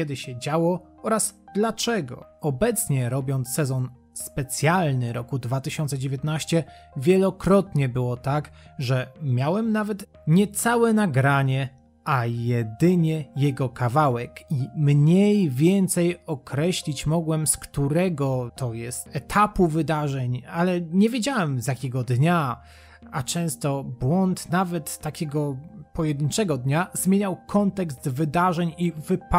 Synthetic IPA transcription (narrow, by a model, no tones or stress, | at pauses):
ɛd̪ɘɕɛd͡ʑawɔ | ɔɾasd̪̥lat͡ʂɛɡɔ̰ɔbɛt̪sɲɛɾɔbʲjɔnt̪sːɛzɔn | spɛt̪sʲjalnɘɾɔkud̪vat̪ɘɕɔnt̪sɛd͡ʑevʲjeɛt̪naɕt͡ɕɛ | vʲjɛlɔkɾɔt̪ɲɛbɘwɔt̪akʐɛmʲjawɛmnavɛt̪ | ɲɛt̪sawɛnaɡɾaɲɛ | ajɛd̪ɘɲɛjɛɡɔkavawɛkimɲejvʲjɛnt̪sɛjɔkɾɛɕlʲit͡ɕmɔɡwɛmskt̪uɾɛɡɔt̪ɔjɛst̪ɛt̪ʰapuvɘd̪aʐɛɲalɛɲɛvʲjed͡ʑawɛmzjakʲɛɡɔd̪ɲa | at͡ʂɛ̃w̃st̪ɔbwɔnt̪navɛt̪ːakʲɛɡɔpɔjɛd̪ɘnt͡ʂɛɡɔd̪ɲazmʲjeɲawkʰɔnt̪ɛkst̪vɘd̪aʐɛɲivɘp